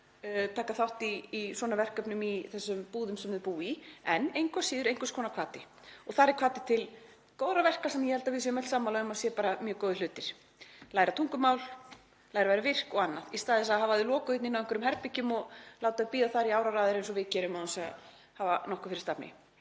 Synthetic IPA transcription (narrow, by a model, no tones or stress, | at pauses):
t̪ʰaːkaθawht̪iːswɔːnavɛr̥kœpnʏmiθɛsːʏmpuːðʏmsɛmðpuːiɛnejŋkvasiːðʏɾejŋkvḁskʰɔːnakʰvaːt̪ɪ | ɔɣθaɾɛɾkʰvaːt̪ɪ̥t̪ʰɪl | kowðɾavɛr̥kasɛmːajɛhɛlt̪avɪðsɛːmɛl̥saːmːawlaʏmasjɛpaːɾamjœːkowðɪlʏːt̪ɪɾ̥ | laːjɾat̪ʰuŋkʏmaːwl | laːjɾavajɾavɪr̥kɔɣanːaðist̪aːðɪsaðɦaːvaðɪlɔːkʏɪt̪nɪnawɛŋkvʏɾʏmɦɛɾpɪcʏmɔɣlaːwt̪aɪpiːðaθaɾiaːwɾaɾaːðɪɾẽjnsɔvɪðcɛːɾʏmaɔnsɛɣa̰ | haːvanɔhkʏfɪɾɪst̪apnɪ̰